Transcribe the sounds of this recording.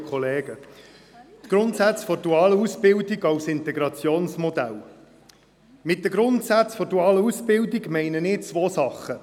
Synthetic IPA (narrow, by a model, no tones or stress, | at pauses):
kʰχɔleːɡə | t̪ɡ̥ɾʊnt̪sæt͡sfɔɾduɑːləusb̥ɪldiɡɑwsɪnt̪ɛɡɾɑt͡sjoːnsmɔd̪æ̰l | mɪt̚dəɡɾʊntsæt͡sfɔɾduɑːləusb̥ɪldiɡmɛɪnənɪːt͡sʋoːsɑχːə